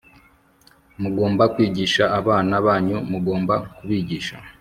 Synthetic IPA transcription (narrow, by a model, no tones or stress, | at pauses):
muɡo̞ːmbakwiːɟiʃaʔːβaːnaβaːɲumuɡo̞ːmbakuβiːɟiːʃa̰